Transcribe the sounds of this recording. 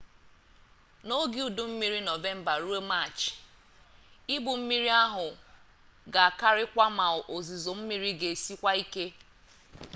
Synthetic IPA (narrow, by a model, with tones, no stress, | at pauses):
no˦ɡi˨u˨du˨m̩˦mi˦ɾi˦no˨ve˦m̩˦ba˨ɾu˦e˦ma˦˨t͡ʃ | i˦bu˨m̩˦mi˦ɾi˦a˦ɦʊ˨ | ɡa˨a˨ka˦ɾɪ˦kʷa˦ma˨ʊ˨ʔo˨zi˨zo˨m̩˦mi˦ɾi˦ɡe˨si˦kʷa˦i˦ke˦